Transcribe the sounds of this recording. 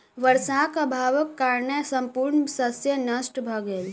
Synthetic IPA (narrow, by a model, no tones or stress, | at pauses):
ʋəɾsakəbʱaʋəkːaɾnəsəmpuɾɳsəsjənəsʈbʱəɡel